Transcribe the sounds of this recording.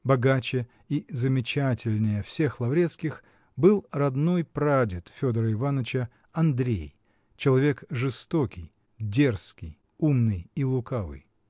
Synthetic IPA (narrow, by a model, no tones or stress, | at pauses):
bɐɡat͡ɕɪ | izəmʲɪt͡ɕatʲɪlʲnʲɪjəfsʲe̞xlˠɐvɾʲe̞t̪skʲɪx | bɨlˠrɐd̪no̞jpɾadʲɪt̪fʲo̞d̪əɾəɪvanət͡ɕə | ɐnd̪ɾʲḛj | t͡ɕɪlˠɐvʲe̞kʐɨst̪o̞kʲɪj | dʲe̞rskʲɪj | umnɨjilˠʊkavɨ̰j